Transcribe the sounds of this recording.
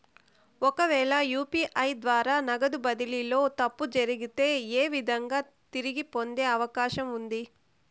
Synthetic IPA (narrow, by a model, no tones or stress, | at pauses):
ɔkɐʋɛːɭɐjuːpiːʔɐjd̪ʋaːɾaːnɐɡɐd̪ubɐd̪ililo̞ːt̪ɐpːud͡ʒɐɾiɡit̪e̞ːeːʋid̪ʱɐŋɡaː | t̪iɾiɡipo̞nd̪e̞ːɐʋɐkaːʃɐmund̪i